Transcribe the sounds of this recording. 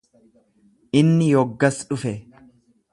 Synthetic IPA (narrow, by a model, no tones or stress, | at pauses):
ʔɪnːɪjɔɡːɐsᶑʊfɛ